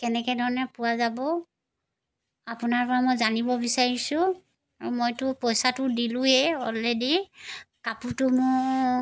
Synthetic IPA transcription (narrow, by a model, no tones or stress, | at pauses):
kɛnɛkɛdʱɔɹɔnɛpuwazabɔ | apʊnaɹpɔɹamojzanibɔbisaɹisʊ̃ | aɹumojtʊpɔjsatʊdilʊ̃ɦɛɔ̰lːedikaputʊmʊ